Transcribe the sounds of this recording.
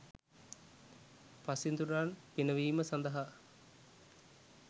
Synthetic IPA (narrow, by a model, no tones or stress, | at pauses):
pasind̪uɾaːnpinəʋiːməsɐnd̪ɐɦa